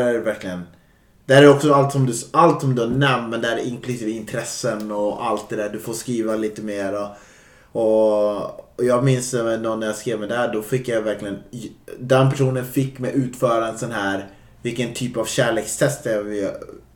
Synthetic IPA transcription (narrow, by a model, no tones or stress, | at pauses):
ɾæɾvæɾklɪɡən | d̪̥ɛhæːɾɾɔksɔalt̪sɔmd̪ɵalt̪sɔmd̪ɵæɳɛmt̪mɛnd̪ɛhæɾʔɪnklʉsiːvəɪnt̪ʰɾɛsːənɔa̰lt̪̚d̪ɛd̪æːɖ̪ɵfoːskɾiːvaliːt̪əmeːɾɔ | ɔ | jɑːɡmɪnsnɔnːæɾjaskɾeːvmɛd̪ɛhæːɖɔfɪkːjajvæɾklɪɡənd̪ɛnpʰæʂuːnənfɪkːmɛjʉ̟ːt̪fœːɾaɛnsɔnɦæːɾ | vɪlkːənt̪ʰyːpavɕæːɭeːkst̪ʰɛst̪ɛvɪ